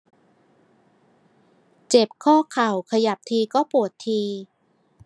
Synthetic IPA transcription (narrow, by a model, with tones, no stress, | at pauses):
t͡ɕe˨˩p̚kʰɔː˥˩kʰa˨˩wkʰa˧ja˨˩p̚t̪ʰiː˧kɔː˥˩pu˨˩ət̪ʰːiː˧